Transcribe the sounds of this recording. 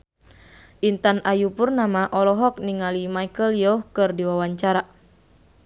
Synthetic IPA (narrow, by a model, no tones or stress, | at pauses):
ʔint̪anʔajupurnamaʔɔlɔɦɔk̚niŋalimaikəljɔkɨrdiwawaɲt͡ʃaɾa